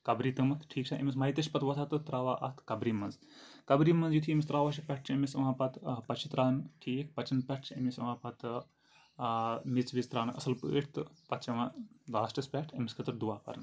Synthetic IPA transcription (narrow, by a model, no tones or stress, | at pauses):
kɐbɾiːt̪ɐmɐt̪ʰʈʰiːkt͡ʃʰaːʔɐ̰mʲismɐit̪ɐʃʲpɐt̪ʰʋɐt̪ʰat̪ɨt̪ɾaːʋaːʔɐt̪ʰkɐbɾimɐnz | kɐbɾimɐnzjut̪ʰiɐmist̪ɾaːʋaːʃipʲɛʈ̚ʰt͡ʃʰɐmisɐmãːpɐt̪pɐt͡ʃʰit̪ɾaːnɨʈʰiːk̚pɐt͡ʃɐnpʲɛʈ̚ʰt͡ʃʰɐ̰misɐʋaːpɐt̪ | mit͡sʋist̪ɾaːnɨʔɐsɐlpə̰ːʈʰt̪ɨpɐt̪ʰt͡ʃɐʋaːlaːsʈɐspʲɛːʈʰɐmiskʰɐt̪ɨɾd̪uʋaːpɐ̰ɾɐn